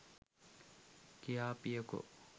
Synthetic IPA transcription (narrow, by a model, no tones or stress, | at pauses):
kijaːpijɐkṵ